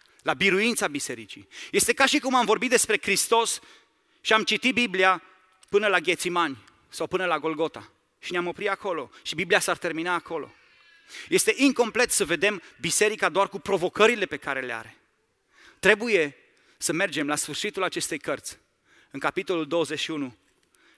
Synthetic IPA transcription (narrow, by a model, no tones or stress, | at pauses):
labiɾuint̪sabise̞ɾit͡ʃije̞st̪e̞kaʃikumamvo̞rbit̪̚d̪espɾe̞kɾist̪o̞s | ʃiamt͡ʃit̪it̪̚biblia | pɨnəlaɡʲe̞t̪simanʲ | sawpɨnəlaɡo̞lɡo̞t̪a | ʃineamo̞pɾit̪ako̞lo̞ʃibibliasart̪e̞rminaːko̞lo̞̰ | je̞st̪e̞ʔiŋko̞mple̞t̪səve̞d̪e̞mbise̞ɾikad̪oarkupɾo̞vo̞kəɾile̞pe̞kaɾe̞lea̰ɾe̞ | t̪ɾe̞buje̞ | səme̞rd͡ʒe̞mlasfɨrʃit̪ulat͡ʃe̞st̪ejkərt̪sʲ | ɨŋkapit̪o̞luld̪o̞wəze̞ʃiunu